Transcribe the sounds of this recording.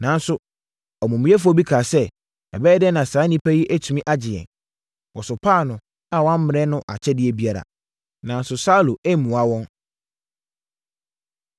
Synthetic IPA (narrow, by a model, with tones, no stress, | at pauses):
nã˨n̩˦sʊ˦ | ɔ˨mũ˨mĩ˦ɛ˦f̬ɔ˦bi˦kʰaː˨sɛ˦ | ɛ̰˨bɛ˦dɛ˦nã˨saː˨˦nĩ˦pʰæ˦ji˦ʔæ˦tʰu˨mĩ˦ʔa˦d͡ʑɪ˨ɛ̰˨n | wɔ˨sʊ˨pʰaː˦˨nʊ̃˨ | a˦˨wɔ˦ã˦m̩˦mɪ̃˨ɛ˦nʊ̃˦ʔa̰˨t͡ɕʰɛ˦dɪ˦ɛ˦bi˦a˦ɾa̰˨ | nã˨˦n˦sʊ˨sa˦lu˨ʔe˦mũ˨a˨wɔ̃˦n